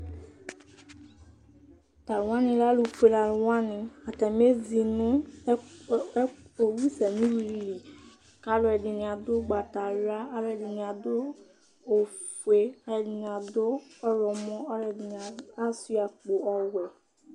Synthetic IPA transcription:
t̪a˨lwã˦nĩ˨la˦lu˨fe˨la˨lwã˦nĩ˨a˨t̪ɛ˨me˦zi˨nʊ̃˦ | o˨wi˦sɛ˨mĩ˦wi˨li˨ | ka˦lo˦ɛ˨di˨nĩ˨ã˨d̪o˦ɡ͡ba˨t̪a˨la˦a˦lɛ˨di˨nĩ˨a˨d̪o˦ | o˨fe˦a˨i˨ñ˨ã˨d̪o˦ɔ˦ɾɔ˨mɔ̃˦ɔ˦lɛ˨di˨n˨a˨a˦si˦a˨k͡po˨ɔ˦wɛ˨

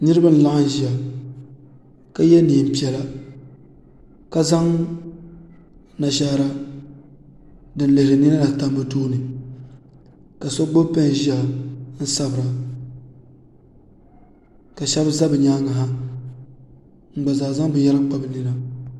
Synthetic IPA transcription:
nɨ˦ɾɨ˦ba˦n̩˨la˦ʔa˦ʒi˨a˨ | ka˦jɛ˦niː˨m̩˨pi˨ɛ˨la˦ | ka˦za˦ŋ | na˨ʃa˦ɾa˦ | dɨ˨n˦le˨ɾɨ˨nɨ˦na˦la˨ta˦mbɨ˦tuː˦nɨ˨ | ka˨sɔ˦ɡ͡bo˦pa˦n˨ʒi˦a˨n̩˦sa˦bɨ˨ɾa˨ | ka˨ʃɛ˦bza˦bɨ˨ɲaː˦ŋa˨ɦa˦ | ŋ͡m̩˨ɡ͡ba˨zaː˨za˦ŋ˦bɨ˨jɛ˦ɾa˦k͡pa˦bɨ˨nɨ˦na˦

